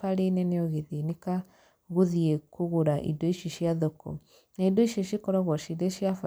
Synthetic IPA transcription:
aɾenɛnejɔɣeðineka | ɣoðiekoɣoɾaʔḭdoiʃiʃjaðokɔ̰ | naidoiʃeʃikɔɾɔɣwɔʃidɔʃjafa

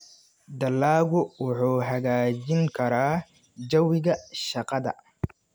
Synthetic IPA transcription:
d̪ɐlːaːɡʊwʊħuːɦɐɡaːd͡ʒɪŋkʰɐɾaː | d͡ʒɐwɪɡɐʃɐqɐd̪ɐ̰

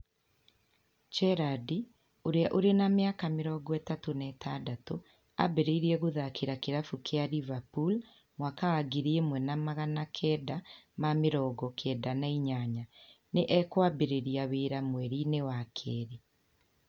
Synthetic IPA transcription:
t͡ʃɛɾadi | oɾeaʔoɾenameakameɾɔːɡɔɛtatonɛtʰadato | a̰beɾeiɾiɛɣoðakeɾakeɾafukeaɾivapul | mwakawaɡeɾiemwɛnamaɣanakʰɛːdamameɾɔːɡɔkʰɛːdanaiɲaɲaneʔɛkwabeɾeɾiaweːɾamwɛɾinewakʰɛːɾe

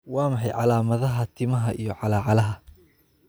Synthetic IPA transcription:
wɑːmɑħɑjʕɑlaːmɐðɐɦɐt̪ʰɪmɐɦɐʔijɔʕɑlaːʕɑlɐɦɐ

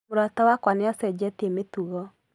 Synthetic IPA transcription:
moɾatawakwaneasɛd͡ʒɛtiemetuɣɔ

